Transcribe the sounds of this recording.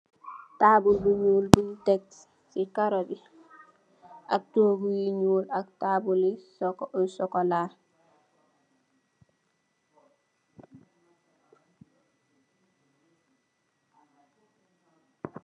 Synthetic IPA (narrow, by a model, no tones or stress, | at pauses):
taːbulbuɲuːlbutɛk̚ | sikaɾobi | ʔak̚toːbujiɲuːlak̚taːbuliksɔkɔlaː